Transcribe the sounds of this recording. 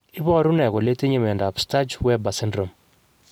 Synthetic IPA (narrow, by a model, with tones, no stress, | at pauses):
i˦bɔ˦ɾu˦nɛ˨kɔ˨le˦te˦ɲe˨mɛ˨nda˨psta˦d͡ʒwɛ˦ba˨sɪ˦ndɾo˨m